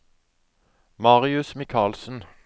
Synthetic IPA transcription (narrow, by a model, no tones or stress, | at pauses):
mɑːʁɪʉsmɪkʰɑːlsn̩